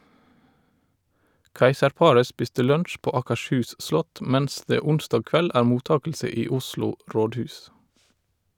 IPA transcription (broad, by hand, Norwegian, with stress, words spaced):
ˈkæɪsəɾˌpɑɹə ˈspɪstə ˈlœntʃ ˈpoː ˌɑːkəʃˈhʉːs ˈʔslɔt ˈmæns ˈdeː ˈʊnstɑːɡ ˈkʋɛl ˈʔæːɹ ˈmuːˌtɑːkəlsə ˈiː ˈʊsluː ˈɾoːdˌhʉːs